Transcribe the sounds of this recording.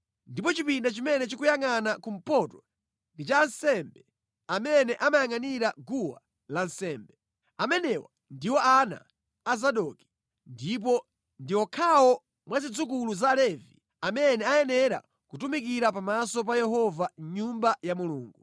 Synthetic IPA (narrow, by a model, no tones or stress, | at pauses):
ndip̬ɔt͡ʃipindat͡ʃimɛnɛt͡ʃikujaŋanakum̩pɔtɔ | ndit͡ʃansɛmbɛ | amɛnɛʔamajaŋaniɾaɡuwa̰ | lan̩sɛːmbɛ | amɛnɛwa̰ | ndiwɔʔana̰ː | zaɗɔki̥ | ndip̬ɔ | ndiwɔkʰawɔ | mwazid͡zukuluzalɛvi | amɛnɛajɛnɛɾa̰ | kutumikiɾapamasɔp̬ajɛɦɔvaɲumbajamuluːŋɡu